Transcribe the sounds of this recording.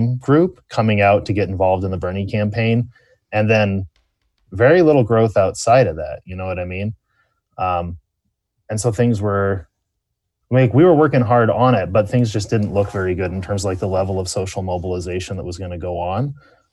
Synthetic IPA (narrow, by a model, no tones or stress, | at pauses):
mɡɹʉp̚kʰʌmɪ̃ŋaʊtʰɨɡɛɾ̃ɱvɑlˠvdə̃n̩ðəbɜ̃˞nĩkʰæ̃mpʰẽɪ̃n | ɨ̃nðɨ̃n | vɛɹilɪɾl̩ˠɡɹoʊθaʊtsaɪɾʌvðæ̰t̚jɨnoʊwʌɾaɪmĩn | ʌ̃m | ɨ̃nsoʊθɪ̃ŋzwə˞ | eɪkwiwə˞wɜ˞kɪ̃ŋɦɑɹɾn̩ɪt̚b̥ʌt̪̚θɪ̃ŋzd͡ʒʌsd̥ɪdⁿn̩ʔlʊkv̥ɛɹiɡʊɾn̩tʰɜ̃˞mzlaɪk̚ðəlɛvl̩ˠʌv̥soʊʃl̩ˠmoʊbəl̩ˠəzeɪʃn̩ðə̰t̚wʌzɡʌnɨɡoʊə̃n